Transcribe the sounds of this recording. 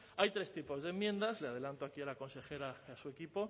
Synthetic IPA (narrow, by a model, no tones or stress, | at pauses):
ajt̪ɾe̞st̪ipo̞zðemːje̞nd̪azleað̞e̞lant̪oakialako̞nse̞xeɾajasue̞kipo̞